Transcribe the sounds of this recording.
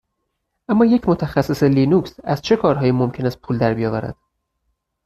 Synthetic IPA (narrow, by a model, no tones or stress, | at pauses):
ʔæmːɒːje̞cʰmot̪ʰæxæsːeselinuːksæz̥t͡ʃʰe̞kʰɒːɾɦɒːjiːmo̞mcʰe̞næst̪̚pʰuːld̪æɾbijɒːvæɾæ̰d̪̥